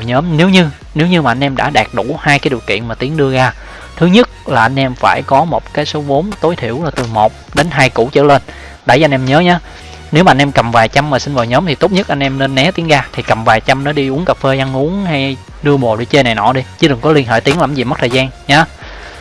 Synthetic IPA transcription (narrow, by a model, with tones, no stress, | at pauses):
ɲəː˨˦mne˨˦wɲɨ˧ | ne˨˦wɲɨ˧maː˨˩ʔa˧n̟ʔɛ˧mɗa̰ː˧˥ɗaː˨˩k̚ɗu˧˩haː˧jkaː˨˦jɗi˨˩wkḭ˧˨ənmaː˨˩t̪i˨˦əŋɗɨ˧əɣaː˧ | t̪ʰɨ˨˦ɲɨ˦˥t̚laː˨˩ʔa˧jn̟ʔɛ˧mfaː˧˩jkɔ˨˦mo˨˩t̚kaː˨˦jso˨˦ɓo˨˦nt̪o˨˦jt̪ʰḭ˧˩əwlaː˨˩t̪ɨ˨˩ŋmo˨˩t̚ɗe˨˦nɦaː˧jkṵ˧˩t͡ɕə̰ː˧˩le˧n | ɗa˧˩ja˧nʔɛ˧mɲəː˨˦ɲaː˨˦ | ne˨˦wmaː˨˧nʔɛ˧mkə˨˩mvaː˨˩jt͡ɕa˧mːaː˨˩sï˧n̟vaː˨˩wɲəː˨˦mt̪i˨˩t̪o˦˥p̚ɲɨ˦˥t̚ʔa˧ŋnʔɛ˧mne˧nːɛ˨˦t̪i˨˦ŋɣaː˧t̪ʰi˨˩kə˨˩mvaː˨˩jt͡ɕa˧mnɔ˨˦ɗi˧ʔʊ˨˦əŋkaː˨˩p̚fe˧ʔa˧nʔu˨˦əŋha˧j | ɗɨ˧əɓo˨˩ɗi˧t͡ɕe˧na˨˩jnɔ̰˧˩˦ɗi˧t͡ɕɨ˧˦ɗɨ˨˩ŋkɔ˨˦li˧ənɦḛː˧˨jt̪i˨˦əŋla˧˩mzi˨˩mə˦˥t̪ʰːzaː˧nɲaː˨˦